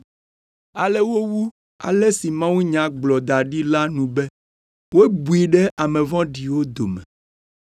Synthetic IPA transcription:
a˨lɛ˦wo˦wu˦ | a̰˨le˦si˨mã˦wu˦ɲã˨ɡ͡blɔ˨d̪a˨ɖi˦la˦nũ˨bɛ˦ | wo˦e˦bu˨i˨ɖɛ˦ʔa˨mẽ˨vɔ̃˦ɖi˨wo˦d̪o˨mɛ̰̃˨

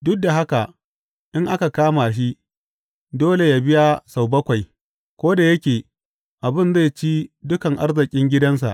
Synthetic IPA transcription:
dʊ˦k̚da˨ɦa˦ka˨ | ʔɪ˦ŋʔa˦ka˨kaː˦ma˨ʃ̬i˦ | doː˦le˨ja˨bɪ˦ja˦sa˨wbɐ˦kʷa˨j | kʷoː˦da˨jɐ˦kʲeː˨ | ʔa˨bɪ˦nza˦˨jt͡ʃiː˦dʊ˦kɐ˨ŋʔa̰˦rzɪ˨kʲʼɪ˦ŋɡʲɪ˦dɐ˦ns̬a̰˨ʔ

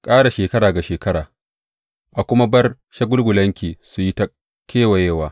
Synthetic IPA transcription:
kʼaː˦ɽa˨ʃeː˨kɐ˦ɽaː˨ɡa˨ʃeː˨kɐ˦ɽaː˨ | ʔa˨kʷʊ˦ma˦bɐ˦r | ʃɐ˦ɡʷʊ˦lɡʷʊ˨lɐ˦ŋkʲiː˨su˨ji˦ta˦ | kʲeː˦wa˨jeː˦˨waː˨

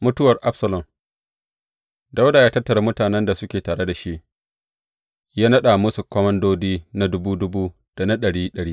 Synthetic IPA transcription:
mʊ˦tʊ˦wɐ˨rʔa˦bsɐ˨lɔ˨m | da˦wda˨jaː˦tɐ˦tːɐ˨ɾa˦mʊ˦taː˨nɛ˦nda˨sʊ˦kʲeː˨taː˨ɽe˦da˨ʃi˦ʔ | jaː˦nɐ˦ɗa˨mʊ˦su˨kʷɔ˦mɐ˦ndoː˦diː˦na˦dʊ˦buː˦dʊ˦buː˦ | d̥a˨na˦ɗɐ˨ɽiː˦ɗɐ˨ɽiː˦

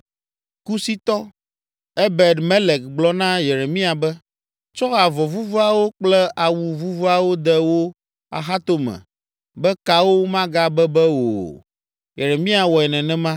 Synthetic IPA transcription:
ku˦si˦t̪ɔ˦ | ɛ˦be˨d̪mɛ̃˦lɛ˨k̚ɡ͡blɔ˦nã˦je˨ɾe˨mĩ˦a˨bɛ˦ | t͡ʃɔ˦ɣa˨vɔ˨vu˦vo˦a˦wo˦k͡plɛ˦ʔa˨wu˨vu˦vo˦a˨wo˦d̪ɛ˦wo˦ | a̰˨xa˦t̪o˦mɛ̰̃˨ | bɛ˦ka˨wo˦mã˦ɡa˦bɛ˦bɛ˦wo̰˨ | je˨ɾe˨mĩ˦a˨wɔ˨ɛ˨nɛ̃˨nɛ̃˦mã˦

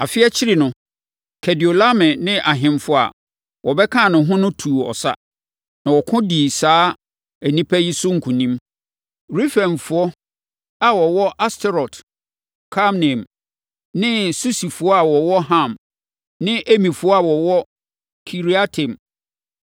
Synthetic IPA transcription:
a˨fɪ˦ɛ˦t͡ɕʰɪ˦ɾi˨nʊ̃˨ | kʰɛ˨di˨o˨la˦mɛ̃˨nɪ̃˦ʔa˨ɦɪ̃˨mfʊ˦a̰˨ | wʔɔ˨bɛ˦kʰã˦˨nʊ̃˨ɦʊ̃˦nʊ̃˦tʰuː˨ɔ̰˨sa̰˦ | nã˨wɔ˨kʰʊ̃˦diː˨saː˦ | æ˨nĩ˦pʰæ˦ji˦sʊ˦ŋ̩˨kʰũ˨nĩ˦m | ɾi˦fɛ̃˨mfʊ˨ɔ˦ | a˨wɔ˨wɔ˦ʔa˦stʰɛ˦ɾɔ˨t | kʰa˦mnɛ̃˨m | nɪ̃˦su˦si˨fʊ˨ɔ˦a˨wɔ˨wɔ˦ɦã˦˨m | nɪ̃˦ʔe˦mĩ˨fʊ˨ɔ˦a˨wɔ˨wɔ˦ | kʰi˨ɾi˦a˦tʰɛ̃˨m

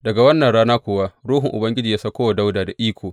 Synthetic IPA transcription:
dɐ˨ɡa˨wɐ˦nːɐ˨ɽaː˦naː˦kʷʊː˨wa˦ɾuː˦ɦʊ˨ŋʔʊ̰˨bɐ˦ŋɡʲɪ˦d͡ʒiː˨jaː˦sa˦kʷoː˦wa˨da˦wdaː˨da˨ʔiː˦kʷoː˨

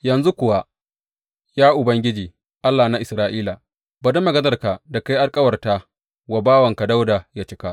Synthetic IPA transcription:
jɐ˨nzu˦kʷʊ˨wa˦ | jaː˦ʔʊ˨bɐ˦ŋɡʲɪ˦d͡ʒiː˨ | ʔa˦lːaː˨na˦ʔɪ˨sɾaː˦ʔiː˦la˨ | ba˨dɐ˦mɐ˨ɡɐ˦zɐ˨rka˨da˨ka˦jʔa˦lkʼɐ˦wɐ˨rtaː˦ | wa˨baː˦wɐ˨ŋka˨da˦wda˨ja˦t͡ʃɪ̥˦ka˦ʔ

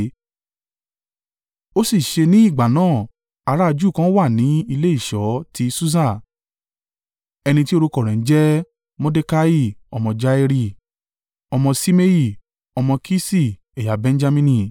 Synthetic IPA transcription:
o˦si˦˨ʃe˧nĩ˨˦i˦˨ɡ͡ba˨nãː˦˨ | a˧ɾa˦a˧d͡ʒu˦˨kã˦wa˦˨nĩ˨˦i˧le˦i˦˨ʃɔ˨˦tʰi˦su˦s̬ã˦˨ | ɛ˧nĩ˧ti˦o˦ɾo˧kɔ˨ɾ̃ɛ̃˨n̩˦d͡ʒɛ˦ | mɔ̃˦de˦ka˦i˦˨ɔ˧mɔ̃˧d͡ʒa˧i˧ɾi˧ | ɔ˧mɔ̃˧si˦me˦i˧˨ | ɔ˧mɔ̃˧kʰi˦si˦˨ | e˨ja˨bɛ̃˧n̩˦d͡ʒa˧mĩ˦nĩ˧

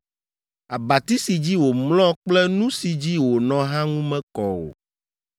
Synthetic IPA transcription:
a˨ba˨t̪i˦si˨d͡ʑi˦wo˨mlɔ̃˦k͡plɛ˦nũ˦si˨d͡ʑi˦wo˨nɔ̃˨ɦã˦ŋũ˦mɛ̃˦kɔ˨wo̰˨

